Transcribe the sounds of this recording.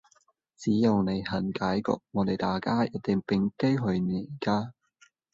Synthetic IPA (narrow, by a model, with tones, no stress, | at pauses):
t͡siː˨˥jɐ˨˧wne˨˧jhɐ˨˩nkaː˨˥jkɔ̰ː˨˧k̚ŋɔː˨˧t̪e˨jt̪aː˨jkaː˥jɐ˨˧t̚t̪ɪ˨ŋpɪ˨ŋke˥jɦɵ˧ɥne˨˧jkaː˥